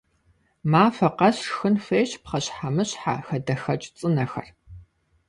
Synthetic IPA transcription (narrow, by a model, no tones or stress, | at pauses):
maːfɐqɐɕxɨnfeːɕpχɐɕħamɨɕħa̰xɐdɐxɐt͡ʃʼt͡sʼɨnɐxɐ̰r